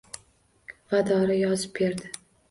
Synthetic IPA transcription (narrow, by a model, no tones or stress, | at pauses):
vad̪ɒɾajɒzɪp̚be̞ɾd̪ɪ